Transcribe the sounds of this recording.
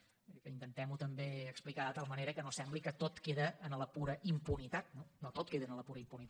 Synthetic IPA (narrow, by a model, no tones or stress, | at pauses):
kəint̪ənt̪ɛmut̪əmbeəksplikaðət̪alˠməneɾəkənosɛmblikət̪ot̪keðəːnləpuɾəʔimpunit̪at̪̚nonot̪ot̪̚keðənələpuɾəimpunit̪